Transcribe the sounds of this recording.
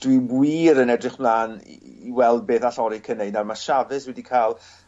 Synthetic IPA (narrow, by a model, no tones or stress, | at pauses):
d̥wibwiːɾənɛdrɨχb̥lˠaːn̰iwɛlˠd̚beːθaɬɔɾikʰənejdnarmaʃavɨswɛdikʰalˠ